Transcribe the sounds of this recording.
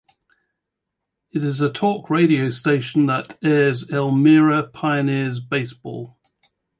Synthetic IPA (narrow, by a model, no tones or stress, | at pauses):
ɪtɪzətʰɔˑkʰɹeɪɾiəʊsteɪʃə̃nðətɛːzɛlˠmɪːɹəpʰaɪənɪəzbeɪsb̥ɔ̰ːlˠ